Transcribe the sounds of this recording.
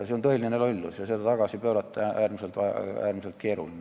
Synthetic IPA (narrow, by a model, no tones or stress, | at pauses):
seont̪ɤelʲinenelolʲːusjɑsed̪æt̪ɑɡ̥ɑsipøːɾɑt̪ːææːrmiselt̪ʋɑ̰æːrmiselt̪̚keːɾulin